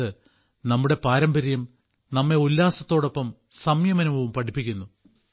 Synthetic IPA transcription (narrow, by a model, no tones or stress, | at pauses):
ɨ | nɐmːuɽe̞paːɾɐmbɐɾijɐm | nɐmːeulːaːsɐt̪ːo̞ːɽo̞pːɐm | sɐmjɐmɐnɐʋɐʋumpɐʈʰipːikʲːunːu